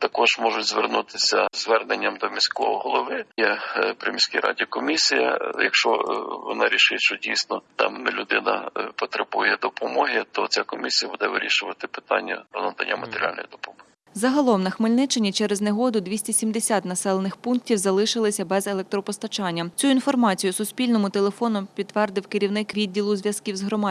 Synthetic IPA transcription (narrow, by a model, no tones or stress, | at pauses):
t̪ɐkɔʒmɔʒʊtʲzʋernut̪ɪsʲɐzʋɛrnenʲːɐmd̪ɔmʲisʲkɔɔɦɔlˠɔʋɪjɛpɾemʲisʲkʲɪɾʔɑ̰dʲikɔmʲisʲijɐ̰jɐ̰kʃt͡ʃɔʋɔ̰nɑɾʲiʃɪtʲʃt͡ʃɔdʲijsnɔt̪ɑ̰mnɛlʲʊd̪ɪnɐ̰pɔt̪ɾebujɛd̪ɔpɔmɔɦɪt̪ɔt͡sʲakɔmʲisʲijɐbud̪ɛʋɪɾʲḭʃʊʋɐt̪ɪpɪ̥t̪ɑ̰nʲːɐ̰ɔnɐnt̪ɐ̰nʲːɐmɐt̪eɾʲɑ̰lʲnɔ̰jd̪ɔpɔmɔɪ | zɐɦɐlˠɔmnɐxmɪlʲnɪt͡ʃɐnʲːit͡ʃɛɾezneɦɔd̪ʊd̪ʲʋʲisʲtʲisʲimd̪esʲat̪nɐsɛlˠenɪxpunk̚tʲiwzɐlˠɪʃɪlˠɪsʲɐbɛzelˠɛk̚t̪ɾɔpɔst̪ɐt͡ʃɑnʲːɐt͡sʲuinfɔrmɑt͡sʲijʊsʊsʲpʲilʲnɔmʊt̪elˠefɔnʊpʲid̪ːʋɛrd̪ɪwkɪɾʲiwnɪkʋʲid̪̚ʲːilˠʊzʲʋʲjɐskiwzɦɾɔmɑ